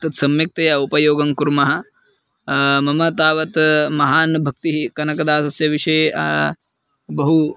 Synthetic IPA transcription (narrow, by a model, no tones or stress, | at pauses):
t̪ɐt̪sɐmjɐk̚t̪ɐjɐupɐjoːɡɐŋkuɾmɐɦɐ̆ | mɐmɐt̪aːʋɐt̪mɐɦaːnbʱɐk̚t̪iɦikɐnɐkɐd̪aːsɐsjɐʋiʂɐj | bɐɦu